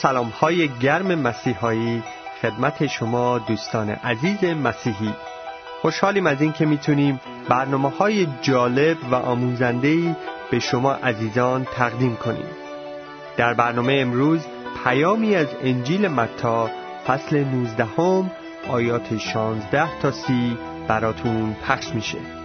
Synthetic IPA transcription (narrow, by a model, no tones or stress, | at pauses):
sælɒːmhɒːje̞ɟæɾme̞mæsiːɦɒːiː | xe̞d̪mæt̪ʰe̞ʃo̞mɒːd̪uːst̪ɒːnḛʔæziːze̞mæsiːɦiː | xo̞ʃhɒːliːmæziːncʰe̞miːt̪ʰuniːm | bæɾnɒːmehɒːjed͡ʒɒːle̞bvæʔɒːmuːzænd̪e̞iːb̥e̞ʃo̞mɒːʔæziːzɒːnt̪ʰæɣd̪iːmkʰo̞nḭːm | d̪̥æɾbæɾnɒːme̞jeemɾuːz | pʰæjɒːmiːæzend͡ʒiːle̞mæt̪ʰːɒː | fæsle̞nuːzd̪æho̞m | ʔɒːjɒːt̪ʰeʃɒːnzd̪æht̪ʰɒːsiː | b̥æɾɒːt̪ʰunpʰæχʃmiːʃḛ